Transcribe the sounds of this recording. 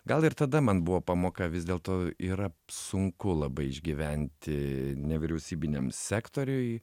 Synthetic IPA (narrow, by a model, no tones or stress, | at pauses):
ɡɐlˠɪɾt̪ɐd̪ɐmɐnbʊʋoːpɑːmoːkɐʋʲɪzd̪ʲeːlˠt̪oːiːɾɐsʊŋkʊlˠɐbɐɪɪʒʲɡʲiːʋʲænʲt̪ʲɪnʲɛʋʲɪɾʲɛʊsʲiːbʲɪnʲɛmsʲæːkt̪oːɾʲʊɪ